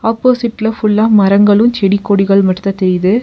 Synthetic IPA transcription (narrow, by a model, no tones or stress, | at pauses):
ɐːpːoːsɪʈːlɐfʊɭːaːmɐɾɐŋɡɐɭɯmt͡ʃɛɽɪkːoːɽɪɣɐɭmɐʈːɯt̪ːɐt̪ɛɾɪðɯ